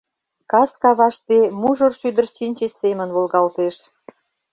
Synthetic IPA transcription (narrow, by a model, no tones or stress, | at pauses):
kɑskɑβɑʃt̪emuʒorʃyd̪ərt͡ɕinʲt͡ɕessemə̆nβolɣɑlt̪eʃ